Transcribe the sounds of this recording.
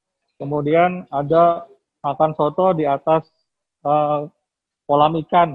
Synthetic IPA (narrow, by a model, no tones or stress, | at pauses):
kəmudianada | makansɔt̪ɔdiat̪as | ə | polamikan